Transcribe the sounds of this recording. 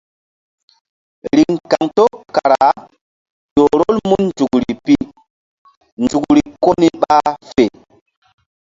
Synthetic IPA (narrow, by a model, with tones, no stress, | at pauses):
ɾi˨ŋka˨ŋto˦ka˨ɾa˨ | jo˨ɾo˦lmu˦nnd͡ʒu˨kɾi˨pi˦ | nd͡ʒu˨kɾi˨ko˦ni˦ɓa˦fe˨